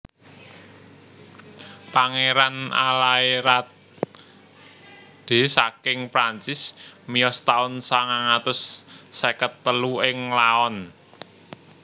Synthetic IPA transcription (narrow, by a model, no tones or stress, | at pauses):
paŋeɾana̰laiɾa | d̪̥e̤sakɪŋpɾaɲt͡ʃɪsmiɔst̪aʊnsaŋaŋat̪ʊsːekət̪ːəluɪŋlaɔn